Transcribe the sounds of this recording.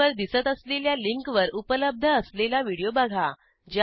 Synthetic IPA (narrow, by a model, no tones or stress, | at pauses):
əɾd̪isət̪əsleljaliŋkʋəɾupələb̚d̪ʱəəslelaʋiɽijobaɡʱa | d͡ʑ